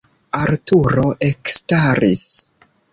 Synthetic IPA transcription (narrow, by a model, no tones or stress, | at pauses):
aɾtuɾo̞ʔekstaɾis